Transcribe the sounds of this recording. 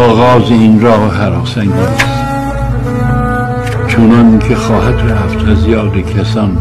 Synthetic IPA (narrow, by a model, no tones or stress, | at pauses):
ɒːɣɒːzeinɾɒːhhæɾɑːsæŋɡæs | t͡ʃʰonɑnkʲʰexɒːhæt̪ʰeæft̪ʰæzijɑːd̪ekʰæsɑːn